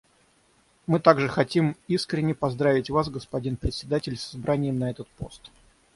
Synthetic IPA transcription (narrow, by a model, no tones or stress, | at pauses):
mɨt̪aɡʐɨxɐtʲimiskɾʲɪnʲːɪpɐzd̪ɾavʲɪtʲvasɡəspɐdʲinpɾʲɪt̪ʲsʲɪd̪atʲɪlʲsɐzbɾanʲɪjəmnɐɛt̪ət̪po̞̰st̪